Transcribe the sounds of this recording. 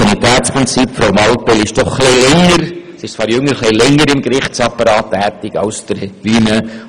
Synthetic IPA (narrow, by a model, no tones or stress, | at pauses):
nit̪ɛːtspɾɪnt͡sipfɾaʊmɑlpɛlɪʃd̥ɔχːlilɛŋəɾsɪʃt͡svɑːɾjʏŋːəɾχlilɛŋːəɾɪmɡɾɪχsɑpəɾɑːtːɛːt̪ɪɡ̥ɑ̰lsd̥əɾtʋiːnə